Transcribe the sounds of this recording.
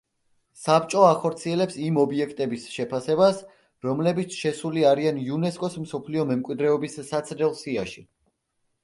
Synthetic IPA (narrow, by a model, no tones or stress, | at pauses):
sapt͡ʃʼɔaχɔɾt̪sʰiɛlɛpsimɔbiɛkʰt̪ʼɛbisʃɛpʰasɛbas | ɾɔmlɛbit̪sʰʃɛsuliaɾianiunɛskʼɔsm̩sɔpʰliɔmɛmkʼwid̪ɾɛɔbisːat̪sʰɾɛlˠsiaʃi